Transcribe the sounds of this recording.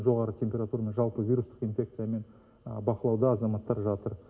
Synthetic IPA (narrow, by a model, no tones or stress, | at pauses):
nʒo̞ʁɑɾət̪ʲʰe̞mpʲe̞ɾat̪uɾame̞nʒɑlˠpəvʲijɾust̪ə̥qinfʲe̞kt̪sɨjame̞n | bɑqəlˠɑwd̪ɑːzɑmɑt̪ːɑɾʒɑt̪əɾ